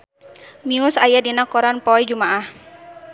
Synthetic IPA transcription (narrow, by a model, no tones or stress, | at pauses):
miusajadinakɔɾanpɔid͡ʒumaah